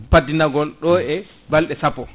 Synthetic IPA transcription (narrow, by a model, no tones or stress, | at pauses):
padinaɡɔlɗɔɛ | balɗɛsapːɔ